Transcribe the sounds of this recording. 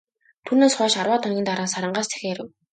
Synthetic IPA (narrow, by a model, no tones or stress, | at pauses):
t̪ʰuːneːsχœːʃarwaːt̪aŋɡʲiːnt̪aɾaːsaɾə̆ɴɢaːst̪ʰe̥xeːɾɘ̆w